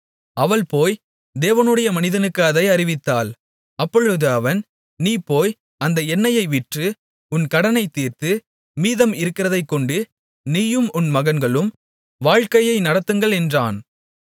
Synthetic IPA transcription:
ɐʋɐɭpoːj | d̪eːʋɐnɯɽɐjɐmɐnɪðɐnɯkːaːðɐɪɐɾɪʋɪt̪ːaːl | ɐpːɔɻɯðɯɐʋɐn | niːpːoːj | ɐnd̪ɐɛnːɐjɐɪʋɪʈrɯ | ʊnkɐɽɐnɐɪt̪ːiːrt̪ɯ | miːðɐmɪɾɯkːɪɾɐðɐɪkːɔɳɖɯ | niːjɯmʊnmɐɣɐnɡɐɭɯm | ʋaːɻkɐjɐɪnɐɽɐt̪ːɯŋɡɐɭɛndraːn

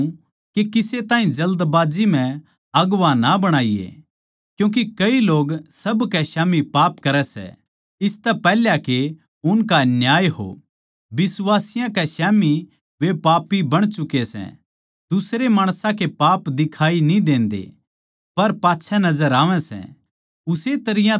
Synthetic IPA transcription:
kekɪset̪ãːɦĩd͡ʒɐld̪baːd͡ʒim̤ɛ̃ | ɐɡʋãnabɐɽ̃aːijḛ | kjũːk̬ikɐiloːɡsɐbkɛʃaːmipaːpkɐɾɛsɛ̰ | ɪst̪ɛpɛɦljake | ʊnkanjaːjɦo̰ | bɪsʋaːsɪjãkɛʃaːmi | ʋepaːpibɐɽ̃t͡ʃʊkesɛ̰̃ | d̪ʊsɾemaːɽ̃sãkepaːpd̪ɪkʰaːinĩd̪ẽːnd̪ḛ | pɐɾpaːtːʃʰɛnɐzəɾaːʋɛ̃sɛ̰̃ | ʊset̪ɐɾɪjã

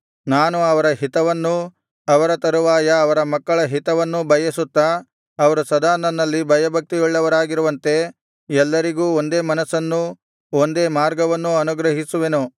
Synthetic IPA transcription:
naːnuɐʋɐɾɐɦit̪ɐʋɐnːu | ɐʋɐɾɐt̪ɐɾuʋaːjɐːʋɐɾɐmɐkːɐɭɐɦit̪ɐʋɐnːubʱɐjɐsut̪ːɐ | ɐʋɐɾusɐd̪aːnɐnːɐlːibʱɐjɐbʱɐk̚t̪ijɔɭːɐʋɐɾaːɡiɾuʋɐnt̪e̞ | ɛlːɐɾiɡuːond̪e̞ːmɐnɐsɐnːu | o̞nd̪e̞ːmaːɾɡɐʋɐnːuɐnuɡɾɐɦisuʋe̞nu

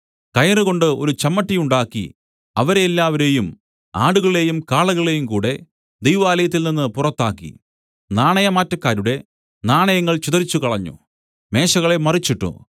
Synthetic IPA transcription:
kɐjɐrɨɣo̞ɳɖɨo̞̰ɾut͡ɕɐmːɐʈːijuɳɖaːkːḭ | ɐʋɐɾeːlːaːʋɐɾe̞ːjum | a̰ːɽuɣɐɭle̞ːjumkaːɭɐɣɐɭe̞jumkuːɽe̞ | d̪ejʋaːlɐjɐt̪̬ːilninːɨpurɐt̪ːaːkːḭ | naːɳɐjɐmaːtːɐkːaːɾuɽe̞ | naːɳɐjɐŋːɐɭt͡ɕud̪ɐɾit͡ɕːukɐɭɐɲːṵ | me̞ːɕɐɣɐɭe̞mɐrit͡ɕːiʈːṵ

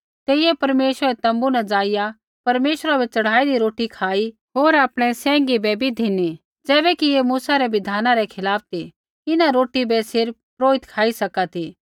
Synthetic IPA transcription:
t̪eːijɛpɐɾmeːʃəɾɛt̪ɐ̃mbunɛd͡zaːɪja | pɐɾmeːʃɾabɛt͡ʃɐɽ̤aːid̪iɾoːʈikʰaːi | ɦoːɾaːpɽ̃ɛsɛ̃ːŋɡibɛbʱid̪ʱɪni | d͡zɛːbɛkijemuːsaɾɛbɪd̪ʱaːnaɾɛkʰɪlaːp̚ʰt̪ʰi | ɪnaɾoːʈibɛsɪɾp̚pɾoːɪt̪kʰaːisɐkat̪ʰiː

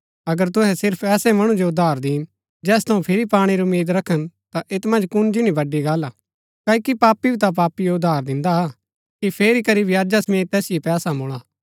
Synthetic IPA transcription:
ɐɡəɾt̪̬ʊɦɛsɪɾpʰɛːsɛmɐɽ̃ũd͡ʒoʊd̪ʱːaːɾd̪iːn | d͡ʒɛːst̪ʰɐũpʰɪɾipaːɽ̃iɾʊmːiːd̪ɾɐkʰːənt̪aʔet̪mɐ̃nd͡ʒkʊnd͡ʒɪñibɐɖiɡaːla | kaːikipaːpːibit̪ap̬aːpːijoʊd̪ʱaːɾd̪ɪ̃nd̪aa | kipʰeːɾikɐɾibʱjaːd͡ʒasɐmeːt̪t̪ɛːsɪepɛːsamʊːɭaː

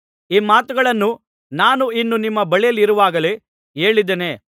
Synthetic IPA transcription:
iːmaːt̪uɡɐɭɐnːu | naːnuinːunimːɐbɐɭijɐlːiɾuʋaːɡɐle | e̞ːɭid̪ene̞ː

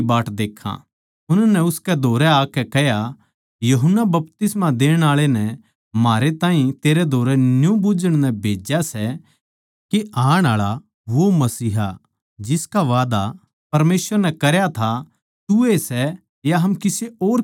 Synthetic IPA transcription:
baːʈd̪eːkʰːã̰ | ʊnnɛʊskɛd̪ʱoːɾɛaːkɛkɛɦja | jɐɦənːabɐp̚t̪ɪsmãd̪eːɽ̃aːɭenɛ | maːɾet̪ãːĩt̪eːɾɛd̪ʱoːɾɛnjũbʊd͡ʒəɽ̃nɛbʱeːd͡ʒasɛ | keaːɽ̃aːɭa | ʋomɐsiːɦa | d͡ʒɪskaʋaːd̪a | pɐɾmeːsʋəɾnɛkɐɾjat̪ʰa | t̪uesɛ | jaɦɐmkɪseoːɾ

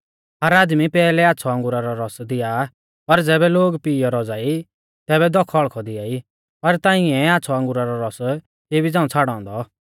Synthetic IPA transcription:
ɦaɾaːd̪mipɛːlɛaːtːsʰɔɐ̃ŋɡʊɾaɾɔɾɔsd̪ɪja | pɐɾd͡zɛːbɛloːɡpiːjɔɾɔd͡zaːi | t̪ɛːβɛd̪ɔkʰɔɭkʰɔd̪ɪjai | pɐɾt̪ãːɪ̃ɛ̃aːtːsʰɔɐ̃ŋɡʊɾaɾɔɾɔs | keːbid͡zãːũt͡sʰaːɽɔ̃ːnd̪ɔ

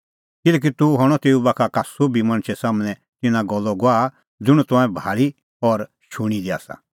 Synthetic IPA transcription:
kɪlɛːk̬it̪uɦɔɽ̃ɔt̪eːubakʰakasobʱimɐ̃ñt͡ʃʰɛsaːmɽ̃ɛ̃ | t̪ɪnãɡɔlːɔɡoaː | d͡zʊɽ̃ut̪ʊ̃ãːɛ̃bʱaːɭi | ɔɾ | ʃuɽ̃id̪ia̰ːsa̰

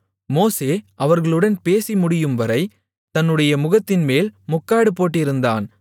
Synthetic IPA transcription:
moːseːʔɐʋɐɾɣɐɭɯɽɐnpeːsimʊɽɪjɯmʋɐɾɐɪ | t̪ɐnːɯɽɐjɐmʊɣɐt̪ːɪnmeːlmʊkːaːɽɯpoːʈ̬ːɪɾɯnd̪a̰ːn

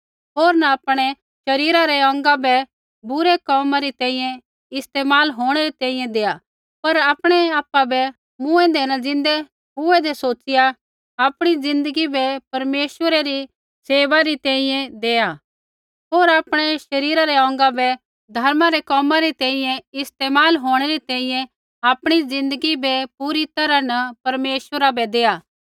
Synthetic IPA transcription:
ɦoːɾnɐaːpɽ̃ɛ | ʃɐɾiːɾaɾɛɔ̃ːŋɡabɛ | bʊɾɛkɔːmaɾit̪ɛ̃ːĩjɛ̃ | ɪst̪eːmaːlɦoːɽ̃ɛɾit̪ɛ̃ːĩjɛ̃d̪eːa | pɐɾaːpɽ̃ɛaːpːabɛ | mʊ̃ɛ̃d̪ɛːnad͡zɪ̃nd̪ɛ | ɦʊɛd̪ɛsoːt͡ʃɪja | aːpɽ̃id͡zɪ̃nd̪əɡibɛpɐɾmeːʃʋəɾɛɾi | seːʋaɾit̪ɛ̃ːĩjɛ̃d̪eːa | ɦoːɾaːpɽ̃ɛʃɐɾiːɾaɾɛɔ̃ːŋɡabɛ | d̪ʱɐɾmaɾɛkɔːmãɾit̪ɛ̃ːĩjɛ̃ɪst̪eːmaːlɦoːɽ̃ɛɾit̪ɛ̃ːĩjɛ̃ | aːpɽ̃id͡zɪ̃nd̪əɡibɛpuɾit̪ɐɾanɐpɐɾmeːʃʋəɾabɛd̪eːja

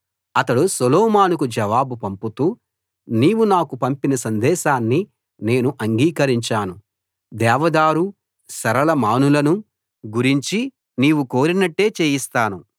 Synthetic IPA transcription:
ɐt̪ɐɽusɔlɔːmaːnukud͡ʒɐʋaːbupɐmput̪uː | niːwunaːkupɐmpinɐsɐnd̪ɛːʃaːnːi | ne̞ːnuʔɐŋɡiːkɐɾiɲt͡ʃaːnu | d̪ɛːʋɐd̪aːɾu | sɐɾɐlɐmaːnulɐnu | ɡuɾiɲt͡ʃi | niːwuko̞ːɾinɐʈːe̞ːt͡ʃeːjist̪aːnu

